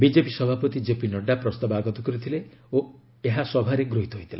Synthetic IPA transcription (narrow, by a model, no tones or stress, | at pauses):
bid͡ʒepisɔbʱapɔt̪id͡ʒepinɔɖapɾɔst̪abɔaɡɔt̪ɔkɔɾit̪ʰileo | eɦasɔbʱaɾeɡɾoɦit̪ɔɦojt̪ʰila